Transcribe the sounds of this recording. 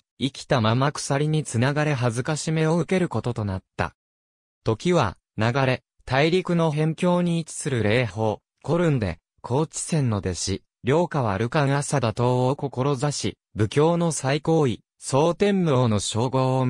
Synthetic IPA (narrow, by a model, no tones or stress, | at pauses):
ikʲi̥t̪amamakɯ̥saɾʲiɲ̟it͡sɨnaɡaɾe̞ɦazɨkaɕime̞o̞ɯ̟ke̞ɾɯ̟ko̞t̪o̞t̪o̞nat̪ːa̰ | t̪o̞kʲiβa̰ | naɡaɾe̞ | t̪aiɾʲikɯ̟no̞ɦẽ̞ŋkʲo̞ːɲ̟iːt͡ɕi̥sɨɾɯ̟ɾe̞ːho̞ː | ko̞ɾɯ̟̃nd̪e̞̰ | kʰo̞ːt͡ɕi̥sẽ̞nːo̞d̪e̞ɕi | ɾʲo̞ːkaβaɾɯ̟kãasad̪at̪o̞ːoko̞ko̞ɾo̞zaɕḭ | bɯ̟kʲo̞ːno̞saiko̞ːi | so̞ːt̪ẽ̞mbɯoːno̞ɕo̞ːɡoː